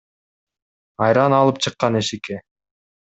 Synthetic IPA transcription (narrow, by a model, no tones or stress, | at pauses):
ɑjɾɑnɑlˠɯp̚t͡ʃʰɯqːɑneʃike